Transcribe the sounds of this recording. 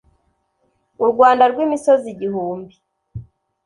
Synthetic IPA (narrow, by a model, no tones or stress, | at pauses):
uɾɡwaːndaɾɡwiːmisoziɟihuːmbi